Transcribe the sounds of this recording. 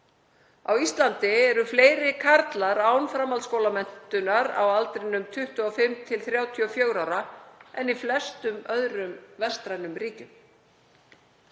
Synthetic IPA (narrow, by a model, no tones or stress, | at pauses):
awist̪lant̪ɪɛɾʏfleːjɾɪkʰaɾt̪laɾaːwnfɾamalskoːwlamɛn̥t̪ʏnaɾa̰walt̪ɾɪnʏmt̪ʰʏht̪ʏɔfɪmt̪ʰɪlθɾjaːwt̪ʰiɔfjoːwɾawɾaɛniflɛst̪ʏmœðɾʏmvɛst̪ɾajnʏmɾiːcʏm